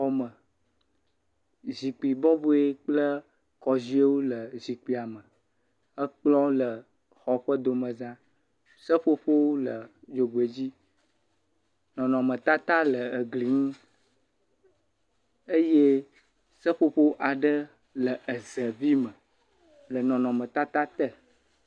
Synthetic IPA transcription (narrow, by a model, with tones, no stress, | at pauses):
ɔ˦mə˨ | zi˨k͡pi˨bɔ˦bo˦e˦k͡plə˦ | kɔ˨zi˦e˦wo˦lə˨zi˨k͡pi˦a˨mə̃˨ | ə˦k͡plɔ̃˦lə˨ | xɔ˨ɸə˦d̪o˨mə̃˨zã˦ | sə˦ɸo˦ɸo˦wo˦lə˨d͡ʒo˨ɡ͡be˨d͡ʑi˦ | nɔ̃˨nɔ̃˨mə̃˨t̪a˦t̪a˦lə˨ə˨ɡli˨ŋũ˦ | ə˦je˦ | sə˦ɸo˦ɸo˦wʔa˨ɖə˦ | lə˨ʔə˨zə˨vi˦mə˨ | lə˨nɔ̃˨nɔ̃˨mə̃˨t̪a˦t̪a˦t̪ə˦